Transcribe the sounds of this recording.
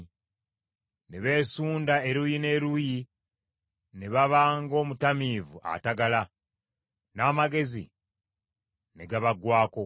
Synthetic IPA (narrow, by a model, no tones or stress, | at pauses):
neβe̞ːsuːndaeɾujine̞ːɾuji | neβaβaːŋɡo̞ːmutamiːvua̰taɡala | naːmaɡe̞zḭ | neɡaβaɡwaːko̞